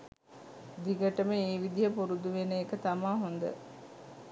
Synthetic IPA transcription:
d̪iɡəʈəməeːʋid̪ijəpuɾud̪uʋenəːkət̪amaːɦond̪ə̰

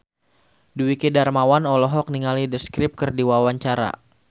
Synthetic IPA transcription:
duwikidarmawanɔlɔɦɔk̚niŋalidəskɾɪp̚kərdiwawaɲt͡ʃaɾa̰

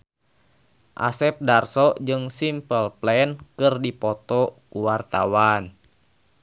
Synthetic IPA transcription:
ʔa̰sɛp̚darsɔd͡ʒɨŋsimpəlplɛnkɨrdipɔt̪ɔkuwart̪a̰wan

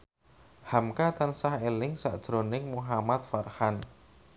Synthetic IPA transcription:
hamkat̪ansahelɪŋsa̰ʔd̥ʒ̥ɾonɪŋmuɦamat̪̚farhan

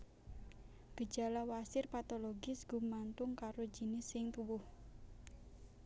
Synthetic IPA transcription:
ɡ̥ə̥d͡ʒa̤lawasɪrpat̪oloɡɪsɡ̥ṳmant̪ʊŋkaɾod͡ʒənɪsːɪŋt̪uwʊh

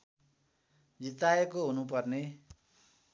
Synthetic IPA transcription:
d͡zit̪aekoɦunupʌrne

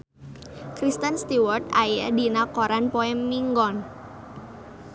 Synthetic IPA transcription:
kɾist̪ənst̪iwərt̪ajədinakoɾanpoɛmːiŋɡɔn

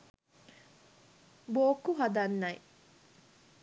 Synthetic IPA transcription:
boːkːuɦɐd̪ɐnːɐi

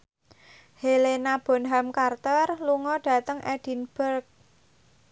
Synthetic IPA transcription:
helenab̥ɔ̤nɦamkart̪ɔrluŋɔɖ̥ä̤t̪əŋʔɛd̥i̤nb̥ərk̚

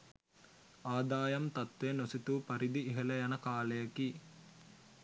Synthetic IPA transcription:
aːd̪aːjɐmt̪ɐt̪ʋenosit̪upɐɾid̪iːɦɐlɐjɐnɐkaːlɐjɐki

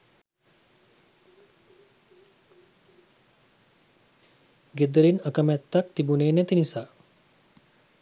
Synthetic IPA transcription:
ɡed̪əɾinəkəmɛt̪ːak̚t̪ibuneːnɛt̪inisaː

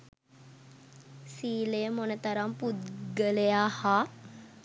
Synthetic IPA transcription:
siːlejəmonət̪aɾamput̪̚ɡəlejaːhaː

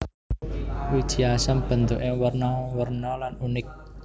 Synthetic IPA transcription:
wid̥ʒ̥iasamb̥ə̤nt̪uʔɪŋwərnɔwərnɔlanunɪk̚

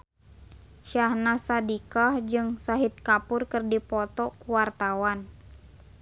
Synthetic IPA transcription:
ʃahnasadikahd͡ʒɨŋsaɦit̪̚kapʊrkɨrdipɔt̪ɔkuwart̪awan

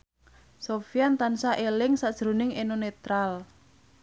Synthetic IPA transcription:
sofiant̪ansaʔelɪŋsad̥ʒ̥ɾo̤nɪŋenonet̪ɾal

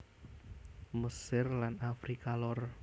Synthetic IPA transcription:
məsɪrlanafɾikalɔr

